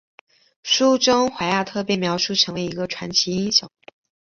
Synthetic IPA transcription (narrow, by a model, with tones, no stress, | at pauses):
ʂu˥ʈ͡ʂʊ˥ŋxwa˧˥ɪja˥˩t̪ʰɤ˥˧p̬jɛ˥˩nmjɑ˧˥ʊʂu˥˩ʈ͡ʂʰɤ˧˥ŋwe˧˥ɪi˧˥ɡə˧ʈ͡ʂʰwa˧˥nt͡ɕʰi˧˥i˥ŋɕjɑ˨˩˦ŋ